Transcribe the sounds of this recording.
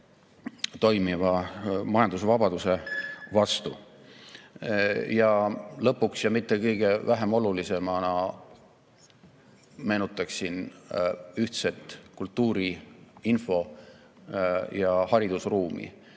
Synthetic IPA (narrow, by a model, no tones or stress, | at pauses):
t̪o̞jmivɑmɑjɑnd̪usvɑb̥ɑd̪use̞vɑst̪u | jɑlɤ̞pːˑuksjɑmit̪ːˑe̞kɤjɡ̥e̞væɦe̞mo̞lulise̞mɑnɑ | me̞ːnut̪ːˑɑksin | yht̪se̞t̪ˑːkult̪ːˑuːɾiinfo̞ | jɑhɑɾid̪̥usruːmḭ